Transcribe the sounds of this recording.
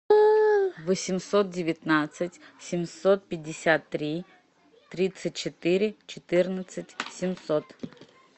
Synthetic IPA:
vəsʲɪmsot̪̚dʲɪvʲɪt̪nat̪sɨtʲsʲɪmsot̪̚pʲɪdʲːɪsʲat̪ːɾʲi | t̪ɾʲit̪sɨt̚ʲt͡ɕɪt̪ɨɾʲɪt͡ɕɪt̪ɨrnət̪sɨtʲsʲɪmsot̪

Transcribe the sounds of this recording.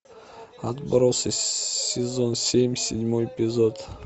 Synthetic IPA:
at̪baɾɔssezonsʲemʲsed̪ʲmɔepʲizod̪

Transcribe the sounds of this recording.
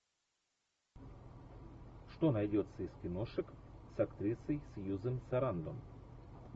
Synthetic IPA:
ʂt̪onɐjdʲot̪səɪskʲɪnoʂɨksɐkt̪ɾʲisəjsjuzɨmsɐɾand̪om

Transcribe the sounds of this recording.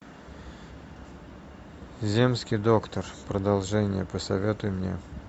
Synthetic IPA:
zʲe̞mskʲɪjd̪o̞kt̪ərpɾəd̪ɐlˠʐɛnʲɪjəpəsɐvʲe̞t̪ʊjmnʲḛ

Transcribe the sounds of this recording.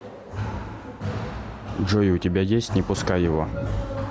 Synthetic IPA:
ʐojʊʊtʲɪbʲajesʲtʲnʲɪpʊskajjɪvo

